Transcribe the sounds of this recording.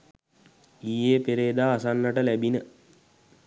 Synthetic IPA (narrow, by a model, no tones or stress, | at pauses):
iːeːpeɾeːd̪aːsanːəʈəlæbinə